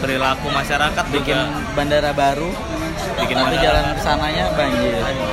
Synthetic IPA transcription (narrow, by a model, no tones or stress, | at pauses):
pəɾilakumaʃaɾakat̪̚bikɪ | bandaɾabaɾu | bikɪnapid͡ʒalanrsanaɲabaɲd͡ʒɪr